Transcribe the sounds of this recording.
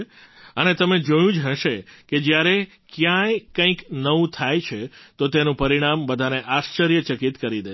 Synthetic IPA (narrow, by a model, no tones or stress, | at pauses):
ənet̪əmed͡ʒojũd͡ʒɦə̃ʃeked͡ʒjaɾe | kjãjekə̃ĩknəũt̪ʰajt͡ʃʰet̪ot̪enũpəɾiɽ̃ambəd̪ʱaneʔaʃt͡ʃəɾjət͡ʃəkit̪kəɾid̪e